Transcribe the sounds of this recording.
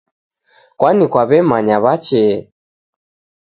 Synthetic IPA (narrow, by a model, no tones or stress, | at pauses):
kwanikwaβɛmaɲaβat͡ʃɛ